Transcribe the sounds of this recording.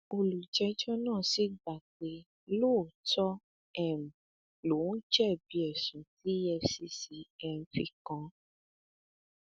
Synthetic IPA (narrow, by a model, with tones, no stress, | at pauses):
o˧lu˨d͡ʒɛ˧d͡ʒɔ˦nãː˦˨si˨˦ɡ͡ba˨k͡pe˧˦ | lo˦˨tɔ˦ | ɛ˨m̩̃˨ | lo˨˦d͡ʒɛ˦˨bi˧ɛ˨sũ˨ti˦ɛ˧si˧˦si˨˦ɛ˧m̩˨fi˧kã˧